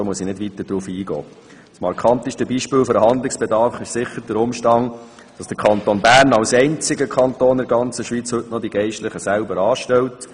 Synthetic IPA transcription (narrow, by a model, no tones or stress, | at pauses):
omuəsinɪdvʋit̪əd̥ɾuːfiːɡɔ̰ː | smɑɾkʰχɑnt̪ɪʃtəbiːʃpɪːlfəɾəɦɑnd̪lɪksb̥ɛdɑɾfɪʃsɪχəɾd̥əɾʊmʃtɑn | d̥ɑsd̥əɾkʰɑnt̪onbæːɾnɑlsɛɪnt͡sɪɡəkʰɑnt̪oːndɪɾɡɑnt͡səʃʋit͡shɵtnɔd̪iɡɛɪʃtləχəsælbəɾɑːʃtɛlt